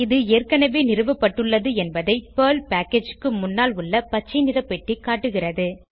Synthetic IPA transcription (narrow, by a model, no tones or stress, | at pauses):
ɪðɯeːrkɐnɐʋeːnɪrɯʋɐpːɐʈːɯɭːɐðɯɛnbɐðɐɪpɐːlpaːkeːd͡ʒkːɯmʊnːaːlʊɭːɐpɐt͡ʃːɐɪnɪðɐpːɛʈːikaːʈːɯɣɪrɐðɯ